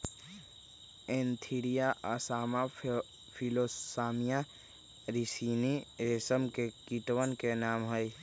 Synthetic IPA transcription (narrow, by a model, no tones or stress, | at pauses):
ẽːnt̪ʰiɾijaʔasaːma | pʰiloːsaːmija | ɾisiːniɾesəmkekiʈwənkenaːmɦəj